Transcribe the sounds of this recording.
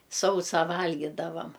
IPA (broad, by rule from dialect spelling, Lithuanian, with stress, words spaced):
ˈsɐʊsɑː ˈʋɐlʲɡʲiːdɐʋɐm